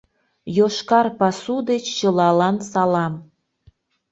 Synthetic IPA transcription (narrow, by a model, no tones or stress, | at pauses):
joʃkɑrpɑsud̪et͡ɕːəlɑlɑnsɑlɑm